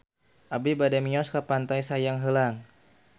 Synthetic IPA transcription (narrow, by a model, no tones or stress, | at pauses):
ʔabibadamiɔskapant̪ajsajaŋɦəlaŋ